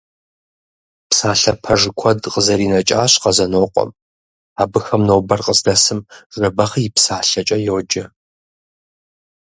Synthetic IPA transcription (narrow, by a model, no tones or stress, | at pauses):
psaːɬɐpʰɐʐɨkʷʰɔdqʼəzɐɾiːnɐt͡ʃʼaːɕqɐzɐnoːqʷʼɔ̰m | aːbɨxɐmnoːbɐrqəzdɐsɨmʐɐbɐχjɪpsaːɬɐt͡ʃʼɐjowd͡ʒɐ